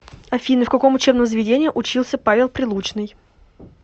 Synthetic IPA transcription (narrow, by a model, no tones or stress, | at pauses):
ɐfʲinːəfkɐko̞mʊt͡ɕe̞bnəmzəvʲɪdʲenʲɪːiʔʊt͡ɕilˠsʲəpavʲɪlˠpɾʲɪlˠut͡ɕnɨj